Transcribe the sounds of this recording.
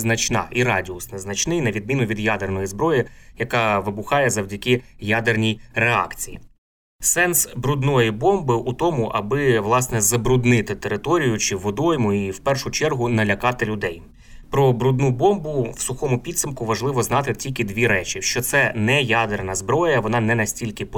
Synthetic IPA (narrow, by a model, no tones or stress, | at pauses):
znɐt͡ʃnɑ̰ʔiɾɑdʲiʊsnɛznɐt͡ʃnɪjnɐʋʲid̪̚mʲinʊʋʲid̪jad̪ernɔjizbɾɔjijɐkɑʋɪbʊxɑjɛzɐwdʲɐkɪjad̪ernʲijreɑ̰kt͡sʲijḭ | sɛnsbɾud̪nɔjibɔmbɪʔut̪ɔmʊʔɐbɪʋlˠɑsnɛzɐbɾʊd̪nɪt̪ɪt̪eɾɪt̪ɔɾʲijʊt͡ʃɪʋɔd̪ɔjmʊiwpɛrʃʊt͡ʃɛrɦʊnɐlʲɐkɑt̪ɪlʲʊd̪ɛj | pɾɔbɾud̪nubɔmbʊwsʊxɔmʊpʲid̪sɐmkʊʋɐʒlˠɪʋɔznɑt̪ɪtʲilʲkɪd̪ʲʋʲiɾɛt͡ʃʲiʃt͡ʃɔt̪sɛnɛjad̪ernɐzbɾɔjɐʋɔnɑnɛnɐsʲtʲilʲkɪp